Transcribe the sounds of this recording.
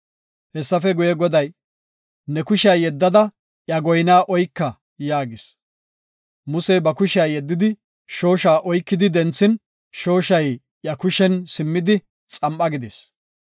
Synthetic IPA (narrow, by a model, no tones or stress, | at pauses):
hɛsːɐfɛɡʊjɛɡɔd̪ɐj | nɛkʊʃɪaːjɛd̪ːɐd̪ɐ | ʔjɐɡɔjnaːʔɔjkːɐ | jaːɡɪs | mʊsɛjbɐkʊʃɪaːjɛd̪ːɪd̪ɪ | ʃo̞ːʃaːʔɔjkːɪd̪ɪd̪ɛnt͡sːɪn | ʃo̞ːʃɐj | ʔjɐkʊʃɛnsɪmːɪd̪ɪ | t͡sʼɐmʔɐɡɪd̪es